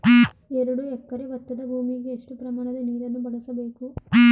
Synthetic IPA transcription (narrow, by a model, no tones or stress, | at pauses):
eɾuɽuɛkːɐɾiʋɐt̪ːɐd̪ɐbʱuːmikieʂʈupɾɐmaːnɐd̪eniːlɐnːubɐɽɐsɐbeːku